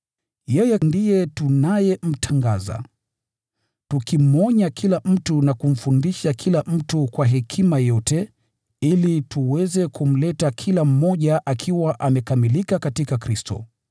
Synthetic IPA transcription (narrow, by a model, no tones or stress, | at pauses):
jɛjɛndijɛtunajɛm̩tʰaŋɡaza̰ | tukim̩ɔɲakʰilam̩tunakum̩fundiʃakʰilam̩tukwaɦɛkʰimajɔtɛ | ilituwɛzɛkum̩lɛtakʰilam̩mɔʄaʔakʰiwaʔamɛkamilikakatikakɾistɔ̰